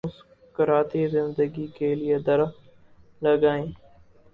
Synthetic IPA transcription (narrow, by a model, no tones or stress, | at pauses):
ʊs | kəɾaːt̪iːzɪnd̪əɡiːkeːlijed̪əɾ | ləɡaːẽː